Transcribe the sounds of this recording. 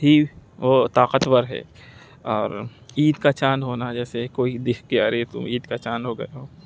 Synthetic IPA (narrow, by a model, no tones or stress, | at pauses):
ɦiʋot̪aːqət̪wəɾɦɛ̰ː | ɔːɾiːd̪kat͡ʃaːnɦoːnad͡ʒɛːsekoːid̪eːkkeaɾet̪ʊ̰miːd̪kat͡ʃaːnɦoɡɐ̰jaɦoː